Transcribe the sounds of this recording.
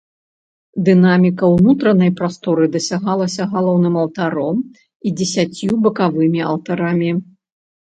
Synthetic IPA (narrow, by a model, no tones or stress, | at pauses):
d̪ɨnamʲikɐwnut̪ɾɐnɐjpɾast̪ɔɾɨd̪ɐsʲaɣalˠɐsʲɐɣalˠɔwnɨmɐwt̪aɾɔm | id͡zʲɛsʲat͡sʲjubɐkavɨmʲiɐ̰lˠt̪aɾamʲi